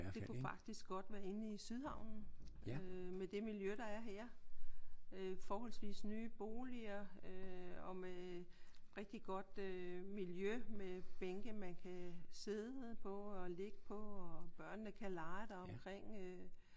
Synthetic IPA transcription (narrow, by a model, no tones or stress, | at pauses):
de̝kʰufɑ̈ɡ̥̚d̥isɡ̥ɒ̽d̥ʋæɐe̝nəisyðˠhɑ̈ʊ̰nn̩ømed̥e̝miljøɾ̥ɑ̈æɐɦæɐ̰ | øfɒːɦɒ̽lsʋḭːsnyːb̥o̝ːliɐøɒ̽me | ʁeɡ̥̚d̥iɡ̥ɒ̽d̥ømiljømeb̥eŋɡ̥əmænkʰæse̝ðˠpʰɒ̽ɒle̝ɡ̥əpʰɒ̽ɒb̥ɶɐ̰nːəkʰælɑ̈ɪd̥ɑɒ̽mkʰʁeŋ̰ø